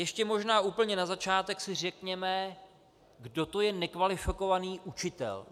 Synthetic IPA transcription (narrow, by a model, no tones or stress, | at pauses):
jɛʃcɛmo̞ʒnaːʔuːpl̩ɲɛnazat͡ʃaːt̪ɛksɪr̝ɛkɲɛmɛ | ɡdo̞t̪o̞jɛnɛkvalɪfɪko̞vaniːʔut͡ʃɪt̪ɛ̰l